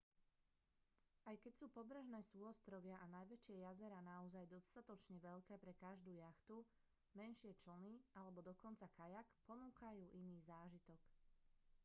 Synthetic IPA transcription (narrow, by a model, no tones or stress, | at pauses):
ajkɛcsuːpɔbɾɛʒnɛːsuɔst̪ɾɔʋɪaʔanajʋɛt͡ʃɪɛjazɛɾanaɔzajd̪ɔst̪at̪ɔt͡ʃɲɛʋɛʎkɛːpɾɛkaʒd̪uːjaxt̪u | mɛnʃɪɛt͡ʃl̩nialɛbɔd̪ɔkɔnt͡sakajakpɔnuːkajuːʔiniːzaːʒit̪ɔk